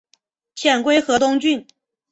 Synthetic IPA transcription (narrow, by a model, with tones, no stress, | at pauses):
t͡ɕ̪ʰjɛ˨˩nkwe˥ɪxɤ˧˥t̪ʊ˥ŋt͡ɕy˥˩n